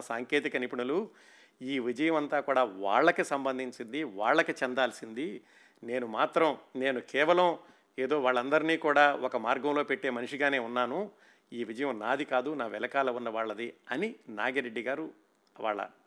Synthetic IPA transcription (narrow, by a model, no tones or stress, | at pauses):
saːŋkeːt̪̬ikɐnipiɳulu | iːʋid͡ʒɐjɐmɐnt̪aːkuːɽaːʋa̰ːɭːɐkisɐmbɐnd̪ʱiɲt͡ʃind̪iʋaːɭːɐkit͡ʃɛnd̪aːlsind̪i | ne̞ːnumaːt̪ɾɐmne̞ːnukɛːʋɐlɐm | eːd̪o̞ːʋaːɭːɐnd̪ɐɾiniːkuːɽaːɔkɐmaːɾɡɐmlo̞ːpeʈːe̞ːmɐniʂiɡaːne̞ːunːaːnu | iːʋid͡ʒɐjɐmnaːd̪ikaːd̪unaːʋɛlɐkaːlɐunːɐʋaːɭːɐd̪iɐninaːɡiɾeɖːiɡaːɾu | ʋa̰ːɭːɐ̰